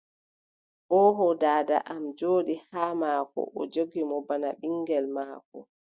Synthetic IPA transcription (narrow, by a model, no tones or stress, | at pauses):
ʔɔɦɔdaːda̰ʔamd͡ʒoːɗihaːmaːkɔ̰ʔɔd͡ʒoɡimɔbanaɓiŋɡɛlmaːkɔ